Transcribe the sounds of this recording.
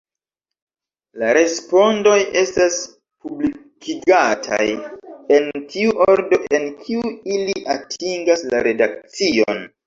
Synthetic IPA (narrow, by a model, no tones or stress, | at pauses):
laɾe̞spo̞ndo̞je̞stas | publikʰiɡatʰa̰je̞ntiuʔoɾdo̞ʔe̞nkʰiuiliʔatʰiŋɡaslaɾe̞dak̚t͡sio̰n